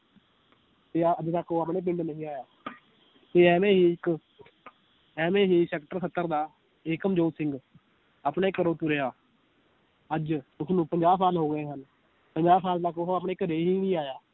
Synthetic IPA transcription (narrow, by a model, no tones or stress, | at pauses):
t̪eːəd͡ʒt̪əkʰːoːapɳẽːpɪ̃ɳɖnəɦĩːaːjaː | t̪eːɛːmẽːɦiːɪk | ɛːmẽːɦiːsɛːkʈəɾsət̪ːəɾd̪aː | eːkəmd͡ʒoːsɪ̃ŋɡ | aːpnãːɪkːɾoːt̪uɾeːaː | əd͡ʒt̪ʊsnũːpəɲd͡ʒaːpaːlɦoːɡəeːɦən | pəɲd͡ʒaːpʰaːlt̪əkoɦoːapɳeːɪkɾeːɦiːnĩːaːjaː